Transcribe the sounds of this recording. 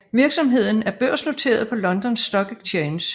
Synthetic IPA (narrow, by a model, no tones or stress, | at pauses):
ʋiɐɡ̥sɒ̽mɦe̝ð̞̰ˠn̩æɐb̥ɶɐ̰sno̝t͡sʰe̝̰ːɐð̞ˠpʰɒ̽lɒ̽nd̥ɒnsːd̥ɒ̽ɡ̥eɡ̥t͡sʰens